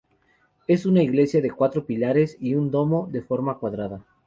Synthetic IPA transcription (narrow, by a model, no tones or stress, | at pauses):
e̞sunaiɣle̞sjaðe̞kwat̪ɾo̞pilaɾe̞siund̪o̞mo̞ðe̞fo̞ɾmakwaðɾaða